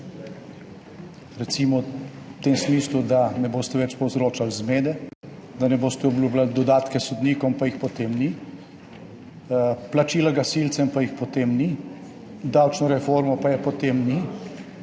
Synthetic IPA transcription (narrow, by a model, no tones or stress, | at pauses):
ɾɛt̪siːmɔ | t̪emsmiːslud̪anɛboːst̪ɛʋɛt͡ʃpɔwzɾoːt͡ʃalzmeːd̪ɛ | d̪anɛboːst̪ɛɔblʲjublald̪ɔd̪aːt̪kɛsɔd̪niːkɔmpajixpɔt̪emni | plat͡ʃiːlaɡasilt̪sɛmpajixpɔt̪emni | d̪awt͡ʃnɔɾɛfoːɾmɔpajɛpɔt̪emni